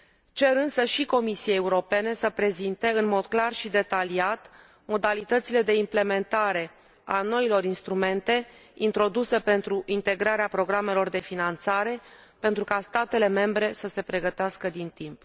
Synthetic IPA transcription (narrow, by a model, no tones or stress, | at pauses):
t͡ʃe̞ɾɨnsəʃiko̞misieeuɾo̞pe̞ne̞səpɾe̞zint̪e̞ɨnmo̞d̪klarʃid̪e̞t̪aliat̪ | mo̞d̪alit̪ət̪sile̞d̪e̞imple̞me̞nt̪aɾe̞ | ano̞ilo̞ɾinst̪ɾume̞nt̪e̞ | int̪ɾo̞d̪use̞pe̞nt̪ɾuʔint̪e̞ɡɾaɾeapɾo̞ɡɾame̞lo̞rd̪e̞finant̪saɾe̞ | pe̞nt̪ɾukast̪at̪e̞le̞me̞mbɾe̞səse̞pɾe̞ɡət̪easkəd̪int̪imp